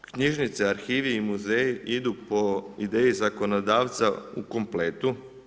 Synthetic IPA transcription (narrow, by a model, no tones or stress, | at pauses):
kɲiʒnit̪seaɾxiːʋiːmuzeːjiʔid̪upo̞id̪eːjizako̞nod̪aːʋt̪sauko̞mpleːt̪u